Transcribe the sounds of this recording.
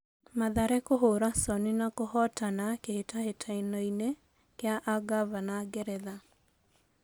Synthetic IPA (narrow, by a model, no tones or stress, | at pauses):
maðaɾɛkoɦoɾasɔninakohɔtanakehetahetʰainɔine | keaʔaɡavanaɡɛɾɛða